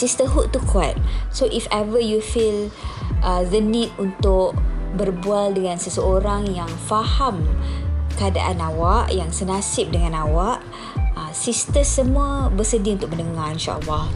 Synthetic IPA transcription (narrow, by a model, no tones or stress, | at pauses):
sist̪əɦuʔt̪ːukʰwap̚soʔifɛvəjufilʔəðənit̚unt̪ʊʔbərbualdəŋãnsəsəoɾaŋjaŋfaham | kəada̰ʔanawaʔjaŋsənasɪp̚dəŋãnawaʔ | əsist̪əsəmũabəsədiunt̪ʊk̚mənəŋaɾinʃa̰ʔə̰lːɑh